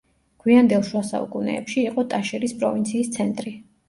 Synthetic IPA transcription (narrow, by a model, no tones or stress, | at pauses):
ɡ̥wiand̪ɛlˠʃwasa̰ṵkʼunɛ̰ːpʃiːqʼɔt̪ʼaʃɛɾispʼɾɔvint̪sʰiːst̪sʰɛnt̪ʼɾi